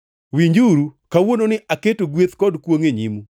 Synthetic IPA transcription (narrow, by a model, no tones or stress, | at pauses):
wiɲd͡ʒuɾukawononɪʔaketoɡwet̪kɔdkwoŋeɲimu